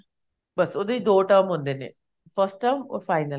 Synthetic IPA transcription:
bəsoːd̪eid̪oːʈəɾmɦõnd̪eːnḛː | pʰəɾsʈʈəːmfʰaːɪnə

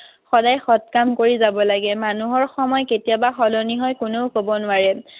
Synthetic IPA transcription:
xɔdajxɔt̚kamkoɹizabɔlaɡɛmanuɦɔɹxɔmɔjketijabaxɔloniɦɔjkʊnoʊkobɔnʊaɹɛ

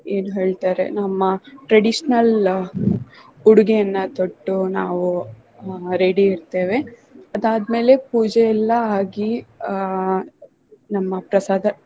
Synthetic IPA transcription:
eːnuɦe̞ːɭt̪aːɾḛnɐmːɐʈɾɐɽiʂnɐl | uɽuɡejɐnːɐt̪oʈːunaːʋu | ɾeɽiːɾt̪e̞ːʋe̞ɐd̪aːd̪me̞ːle̞puːd͡ʒeɛlːɐaːɡi | nɐmːɐpɾɐsaːd̪ʱɐ

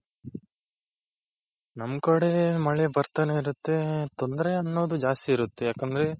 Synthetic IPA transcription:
nɐmkɐɽe̞mɐɭebɐɾt̪ɐneiɾut̪ːe̞t̪o̞nd̪ɾeɐnːo̞ːd̪ud͡ʒaːst̪iːɾut̪ːe̞jaːkɐnd̪ɐɾe̞

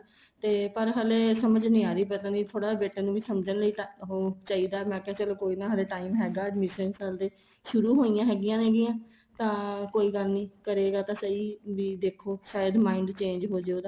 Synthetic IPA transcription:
t̪eːpəɾɦəːleːsəməd͡ʒnɪ̃aːɾiːpət̪ãːniːt̪ʰoːɽaːbeːʈaːnũːʋiːsəmd͡ʒənləiːt̪aɦoːt͡ʃaːiːd̪aːmɛ̃ːkɛ̃ːt͡ʃəloːkoːiːnaːɦəleːʈaːiːmɦɛːɡaːəɖmɪʃənsəld̪eː | ʃʊɾuːɦoːɪjãːɦɛːɡɪjãːɦɛːɡɪjãː | t̪ãːkoːiːɡəlnĩːkəɾeːɡaːt̪ãːsəiːʋiːd̪eːkʰoːʃaːjəd̪maːɪɳɖt͡ʃẽːɲd͡ʒɦoːd͡ʒeoːd̪aː

